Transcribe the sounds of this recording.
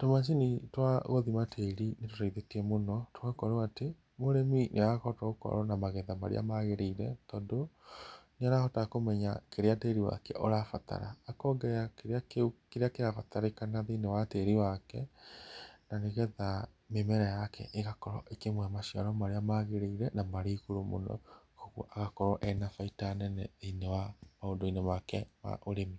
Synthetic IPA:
tomas̬initwaɣoðimatʰeɾinetotaiðetiɛmonɔtoakɔɾoate | moɾeminʔeakɔtɔokɔ̰ɾɔnamaɣɛðama̰ɾḛa̰maɣeɾeiɾɛtɔdo | neaɾahɔtakomɛɲakeɾeateɾiwa̰kɛ̰ʔoɾafata̰ɾa̰ːkɔɡɛjakeɾakkeɾeakeɾafataɾekanaðinewateɾiwakɛ | naneɣɛða | memɛɾajakʰɛ̰ʔeɣakɔɾɔʔekemwɛmaʃiaɾɔmaɾeamaɣeɾeiɾɛnamaɾeiɣoɾomo̰nɔ̰koɣṵʔaɣakɔɾɔʔɛnafaitanɛnɛeinɛwamaondoinɛmakɛma̰ʔoɾemi

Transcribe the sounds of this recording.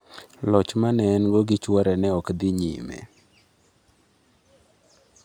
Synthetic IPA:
lɔt͡ʃmanɛnɡɔɡɪt͡ʃwɔɾɛnɛɔkd̪ɪɲḭmḛ

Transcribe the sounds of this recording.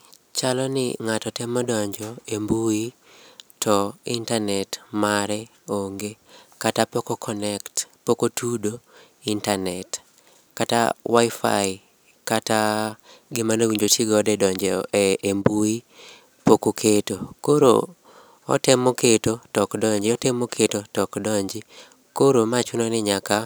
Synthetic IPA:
t͡ʃalɔnɪ̰ŋatɔtɛmɔdɔɲd͡ʒɔembui | tʰɔintanɛtmaɾɛ | oŋɡekatapɔkɔkʰɔnɛktpokotʰudo | intanɛt | kata̰waifa̰i | kata | ɡɪmanowiɲd͡ʒotiɡɔdɛdɔɲd͡ʒɛːmbui | pokokʰetokoɾo̰ | ɔ̰tɛmoketotɔkdɔɲd͡ʒɪɔtɛmokʰetotɔkdɔɲd͡ʒɪ | koɾomat͡ʃʊnɔnɪɲaka

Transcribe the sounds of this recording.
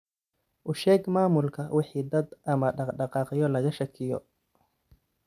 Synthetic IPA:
ʔʊʃɛːɡmaːmʊlkʰɐwɪħiːd̪ɐd̪ʔɐmɐɖɑɖɑqɑːqɪjɔlɐɣɐʃɐkʰɪjɔ̰

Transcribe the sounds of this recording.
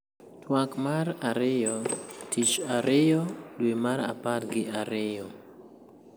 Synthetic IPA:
twakmaɾaɾejɔtit͡ʃaɾejɔdwemaɾa̰patɡiaɾejɔ

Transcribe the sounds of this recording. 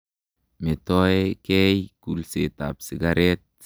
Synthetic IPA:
met̪oekejkulset̪a̰psiɡaɾet̪̚

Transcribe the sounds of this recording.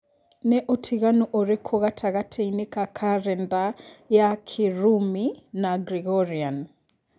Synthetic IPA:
nɛʔotʰiɣanuʔoɾekʰoɣatʰaɣatʰeinekakʰaɾɛndajakʰiɾuminaɡɾiɣɔɾian

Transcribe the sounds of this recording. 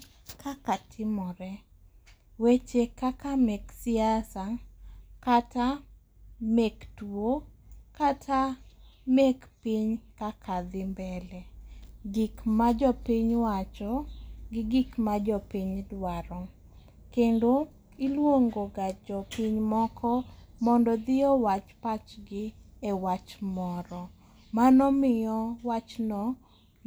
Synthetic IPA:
kʰakatʰɪmɔɾɛ | wet͡ʃekakamɛksɪasakata | mektwwo | katʰa | mekpiɲkakʰad̪ɪmbɛlɛɡikmad͡ʒɔpiɲwat͡ʃɔɡɪɡikmad͡ʒɔpiɲdwaɾɔ | kendo | ilwoŋɡoɡad͡ʒɔpiɲmɔkʰɔmɔndɔd̪ɪɔwat͡ʃpat͡ʃɡɪ | ɛwat͡ʃmɔɾɔ | manɔmɪjɔwat͡ʃnɔ

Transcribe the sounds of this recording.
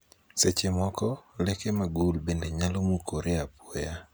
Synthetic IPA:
set͡ʃemɔkɔlekemaɡulbendeɲalomukoɾeapoja

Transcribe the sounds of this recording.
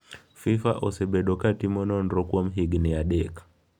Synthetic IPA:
fifa̰ʔɔsɛɓɛɗɔkatimɔnɔnɾɔkuɔm̩ɦiɡniaɗɛkḁ

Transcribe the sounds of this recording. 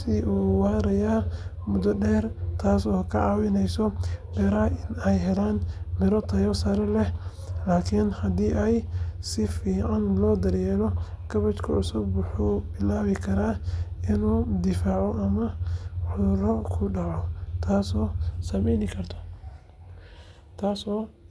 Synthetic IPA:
sɪʔuːwaːɾɐjaː | mʊd̪ɔɖɛːrt̪ʰaːsɔːkʰɐʕɑːwɪnɛjsɔbɛɾɐɪnɛjɦɛlaːnmɪɾɔt̪ʰɐjɔsɐɾɛlɛ | laːkʰɪnhɐd̪iːʔɛjsɪfiːʕanlɔːd̪ɐɾjɛːlɔ | ɡʰɐβɐt͡ʃkʰɐʕʊsʊbwʊħuːbɪlaːβɪkʰɐɾaːɪnuːd̪ɪfaːʕɔʔɐmɐʕʊðrɔkʰʊɖɑʕɔt̪ʰaːsɔːsɐmɛjnɪkʰɐrt̪ʰɔ̥ | t̪ʰaːsɔː

